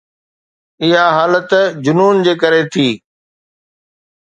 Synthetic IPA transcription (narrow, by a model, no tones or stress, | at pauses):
ɪɦaɦaːlət̪d͡ʑʊnuːnd͡ʑeːkəɾet̪ʰiː